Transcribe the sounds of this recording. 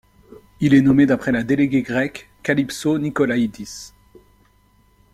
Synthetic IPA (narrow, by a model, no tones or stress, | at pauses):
ilɛnɔmed̪apχɛlad̪eleɡʲeɡʁɛkː | alipsonikɔlaid̪is